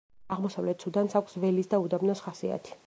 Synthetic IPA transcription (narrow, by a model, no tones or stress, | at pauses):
aʁmɔsavlɛt̪̚ʰsʰud̪ansakʷʰsvɛlisd̪aud̪amnɔsχasia̰t̪ʰi̥